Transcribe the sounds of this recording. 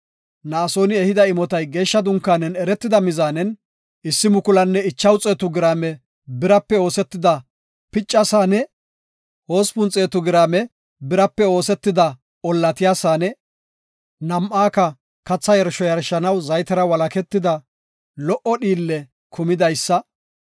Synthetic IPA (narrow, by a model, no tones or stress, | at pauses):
naːso̞ːnɪɛhɪd̪ɐɪmɔt̪ɐjɡe̞ːʃːɐd̪ʊŋkːaːnɛnɛɾɛt̪ːɪd̪ɐmɪzaːnɛn | ʔɪsːɪmʊkʊlɐnːɛɪt͡ʃːɐwt͡sʼe̞ːt̪ʊɡɪɾaːmɛ | bɪɾɐpːɛo̞ːsɛt̪ːɪd̪ɐ | pɪt͡ʃʼːɐsaːnɛ | ho̞ːspʊnt͡sʼeːt̪ʊɡɪɾaːmɛ | bɪɾɐpːɛo̞ːsɛt̪ːɪd̪ɐ | ɔlːɐt̪ɪjaːsaːnɛ | nɐmʔaːkɐ | kɐt͡sːɐjɛɾʃɔjɐɾʃːɐnɐwzɐjt̪ɐɾɐwɐlɐkɛt̪ːɪd̪ɐ | lɔʔɔɗiːlːɛ | kʰʊmɪd̪ɐjsːɐ